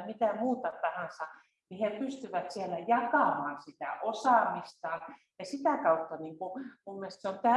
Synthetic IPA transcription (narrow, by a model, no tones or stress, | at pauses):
mit̪æmuːt̪ɑt̪ɑhɑnsɑ | nihepyst̪yʋæt̪sielæjɑkɑˑmɑːnsit̪æ̰ʔosɑˑmist̪ɑːn | jɑsit̪æˑkɑut̪ːɑniŋkumumːest̪seont̪æ